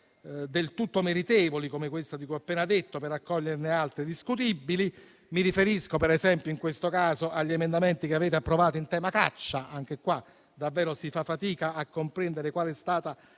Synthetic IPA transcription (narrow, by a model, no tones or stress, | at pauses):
d̪elt̪ut̪ːomeɾit̪ɛːvolikomekwest̪ad̪ikuapːɛːnad̪et̪ːopeɾakːɔʎːernealt̪ɾid̪iskut̪ibːili | miɾifeɾiskopeɾezɛmpjoiŋkwest̪okaːzoʔaʎːiemend̪ament̪ikeaveːt̪eapːɾovaːt̪oint̪ɛːmaka̰t͡ʃːaʔaŋk̟ekwa | d̪avːɛːɾosifafːat̪iːkaːkːompɾɛnd̪eɾekwaːlest̪aːt̪a